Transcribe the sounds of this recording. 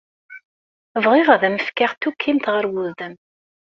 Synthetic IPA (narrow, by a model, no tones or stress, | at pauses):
əvʁɪʁæðæməfkaʁt̪ːukʰːimt̪ʁəɾwuððəm